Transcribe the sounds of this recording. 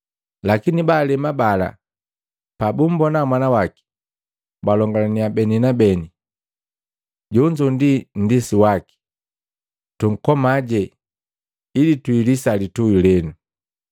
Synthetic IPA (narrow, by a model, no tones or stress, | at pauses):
lakinibaːlɛmabala̰ | pabum̩bɔnamwanawaki̥ | balɔŋɡalaniabɛninabɛni | ɟɔɲd͡ʒundin̩disiwaki̥ | tuŋ̩kɔmaɟɛ | ilituilisalituilɛnu